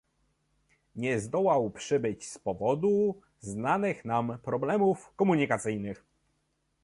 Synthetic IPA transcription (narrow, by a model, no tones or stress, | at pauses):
ɲɛzd̪ɔwawpʂɘbɘt͡ɕspɔvɔd̪u | znanɘxnampɾɔblɛmufkɔmuɲikat̪sɘjnɘx